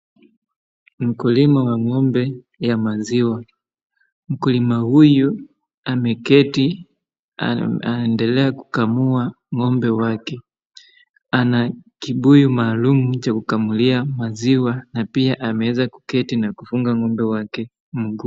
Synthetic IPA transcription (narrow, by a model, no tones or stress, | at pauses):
m̩kulimawaŋɔmbɛ | jamaziwa | m̩kulimahuju | amɛkɛti | andɛlɛaku̥kamua | ŋɔmbɛwakɛ | anakiɓujumaːlumut͡ʃakukamuliamaziwanapiaʔamɛɛzaku̥kɛtinakufuŋɡaŋɔmbɛwakɛ | m̩ɡu